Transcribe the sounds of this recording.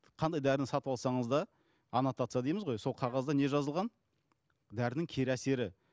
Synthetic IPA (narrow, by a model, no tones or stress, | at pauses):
qʰɑnd̪ɑjd̪æɾɪnɪsɑt̪əβɑlˠsɑɴəzd̪ɑ | ɑnot̪ɑt̪sɨjɑd̪ejməzʁojso̞lˠqʰɑʁɑzd̪ɑne̞ʒɑzəlˠʁɑn | d̪æɾɪnɪŋkʲʰe̞ɾæse̞ɾɪ